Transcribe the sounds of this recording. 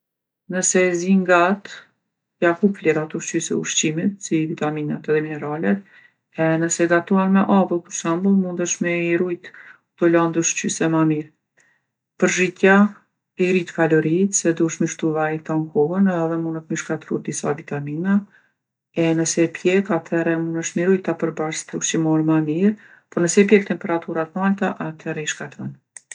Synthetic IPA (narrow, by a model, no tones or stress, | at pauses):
nəsɛziŋɡat̪ | jakupliɾat̪ɔʃt͡ʃysɛ̰ṵʃt͡ɕimit̪sivit̪aminat̪ɛðɛminɛɾalɛ | ɛnəsɛɡat̪uanmɛʔavəlˠkuʃambulˠmund̪əʃmɛiɾujt̪ | t̪ɔland̪uʃt͡ɕysɛmamiɾ | pəɾʒit̪ja | ɛɾit̪kalɔɾit̪sɛd̪uəʃmiʃt̪uvait̪aŋkɔɦənɛðɛmunət̪miʃkat̪ɾud̪isavit̪amina | ɛnəsɛpʰjɛkat̪ʰɛɾɛmunəʃmiɾujt̪apəɾbaʃt̪uʃimɔɾmamiɾ | pɔnəsɛp̬jɛk̚t̪ɛmpɛɾat̪uɾat̪nalt̪aʔat̪ʰɛɾɛiʃkat̪ɔn